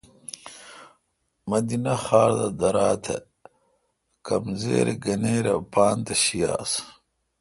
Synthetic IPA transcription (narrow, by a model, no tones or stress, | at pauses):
mɐd̪inɐxaːɾd̪ɐd̪ɐɾaːt̪ʰḛ | kɐmzḛːɾeɡɐneːɾɐpaːnt̪ɐɕijaːs